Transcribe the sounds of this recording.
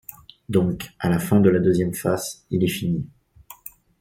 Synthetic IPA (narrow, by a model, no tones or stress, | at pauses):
d̪ɔ̃kalafɛ̃d̪əlad̪øzjɛmfazilɛfini